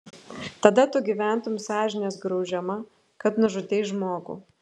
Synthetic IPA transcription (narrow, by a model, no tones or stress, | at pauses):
t̪ɐd̪ɐt̪ʊɡʲiʋʲæˑnt̪ʊjmʊsɑːʒʲɪnʲeːsɡɾɒʊʒʲɛmɐ | kɐt̪nʊʒʊd̪ʲeːʒmoːɡṵː